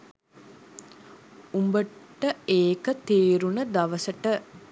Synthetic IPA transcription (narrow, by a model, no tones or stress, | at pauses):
umbəʈːəeːkət̪eːɾunəd̪aʋəsəʈə